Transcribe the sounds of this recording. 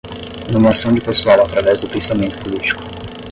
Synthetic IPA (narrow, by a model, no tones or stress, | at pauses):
nũmasɐ̃w̃d͡ʒɪpesuawat̪ɾavɛzd̪ʊpẽsamẽnt̪ʊ̥polit͡ʃi̥kʊ̥